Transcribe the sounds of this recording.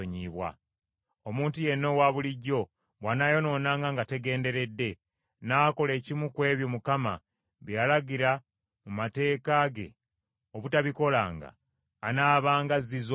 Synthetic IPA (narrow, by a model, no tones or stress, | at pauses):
oɲiβwa̰ | omuːntuje̞nːo̞waβuliɟːo̞ | βwanajo̞no̞ːnaŋɡaŋɡate̞ɡe̞ːnde̞ɾe̞dːe̞ | naːko̞le̞ːcimukwe̞ːβjo̞mukama̰ | βjalaɡiɾa | mumate̞ːkaɡe̞̰ | oβutaβiko̞laːŋɡa̰ː | naːβaːŋɡaziz